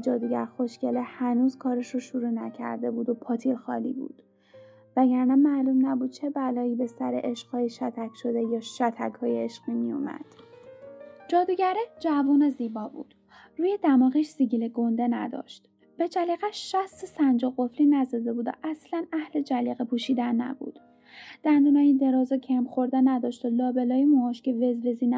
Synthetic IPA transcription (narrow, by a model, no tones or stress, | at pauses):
d͡ʒɒːd̪uɟæɾxo̞ʃcelehænuːz̥kʰɒːɾeʃoʃuɾuːnæcʰæ̰ɾd̪e̞buːd̪o̞pʰɒːt̪ʰiɾxɒ̰ːlḭːbṵːd̪̥ | væɟæɾnænmælumnæbuːd̪̚t͡ʃʰe̞bælɒːiːbe̞sæɾḛʔeʃqhɒːjeʃæt̪ʰæcʰʃo̞d̪e̞jɒːʃæt̪ʰækhɒːjeeʃɢiːmijo̰mæ̰d̪̥ | d͡ʒɒːd̪uːɟæɾed͡ʒævuːneziːbɒːbṵːd̪̥ | ruːjed̪æmɒːɣiʃziɟileɡo̞nd̪enæ̰d̪ɒ̰ːʃt̪ | b̥ed͡ʒæliːɣæʃæst̪esænd͡ʒoɣo̞fliːnæzɒːd̪e̞buːd̪æ̰ʔæslænæhle̞d͡ʒæliɣepʰuːʃiːd̪ænːæ̰bṵːd̪̥ | d̪̥ænd̪unɒːjind̪e̞ɾɒːzɒcʰemxo̞ɾd̪enæd̪ɒːʃt̪ɒlɒːbe̞lɒːjemoːʃceve̞zve̞ziːn